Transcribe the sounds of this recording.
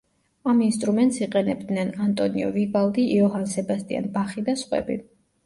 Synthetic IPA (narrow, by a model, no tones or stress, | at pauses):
aminst̪ʼɾumɛnt̪ʼsiqʼɛnɛb̚d̪nɛnant̪ʼɔniɔvibalˠd̪iʔiɔɦansɛbast̪ʼia̰nbaχid̪asχʼwɛ̰bḭ